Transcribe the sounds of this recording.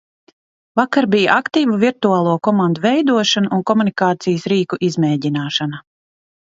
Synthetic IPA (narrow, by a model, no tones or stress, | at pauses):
vakaɾbijaʔakt̪iːvuviɾt̪uaːlˠuɔkɔmand̪uvɛjd̪uɔʃanuʔunkɔmunikaːt̪sijəsɾiːkuʔizmɛːɟinaːʃana